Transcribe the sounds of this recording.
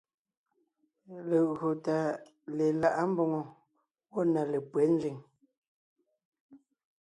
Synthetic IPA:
le˨ɣo˨ta˨ | le˨la˨ʔa˦m̩˦bɔ˨ŋɔ˨ | wɔ˦˨na˨le˨pwɛ˨˦n̩˦d͡zi˨ŋ

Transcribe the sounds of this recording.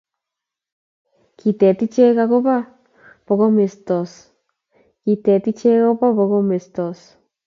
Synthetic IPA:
ki˨t̪e˨t̪i˦t͡ʃe˦ɣa˧ɣo˦βa˦ | po˨ɣo˦me˨st̪o˨s | ki˨t̪e˨t̪i˦t͡ʃe˦ɣo˦βa˦βo˨ɣo˦me˨st̪o˨s

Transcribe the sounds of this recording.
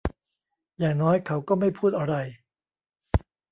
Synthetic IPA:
jaː˨˩ŋnɔː˦˥jkʰa˩˦˥wkɔː˥˩ma˥˩jpʰuː˥˩t̪̚ʔa˧ɾa˧j

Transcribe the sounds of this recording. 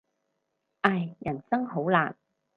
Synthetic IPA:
ʔaː˧˩jːɐ˨˩nsɐ˥ŋho˨˥wla̰ː˨n

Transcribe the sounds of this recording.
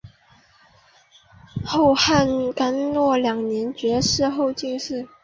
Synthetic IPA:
xo˥˧ʊxa˥˩˧nka˥nlwɔ˥˩ljɑ˨˩ŋnjɛ˧˥nt͡ɕɥɛ˧˥ʂɻ̩˥˧xo˥˧ʊt͡ɕi˥˧ŋʂɻ̩˥˩

